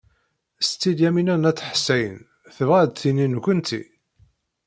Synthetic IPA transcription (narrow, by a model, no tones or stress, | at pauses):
st͡s̪ːid̪jæminænæt͡sːħsːæjə̰n | θəvʁæd̪θininkʷːənt̪ḭ